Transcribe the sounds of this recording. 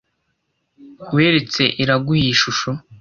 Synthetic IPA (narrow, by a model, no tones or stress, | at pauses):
weːɾet͡se̞ʔiɾaɡuhiʃuʃo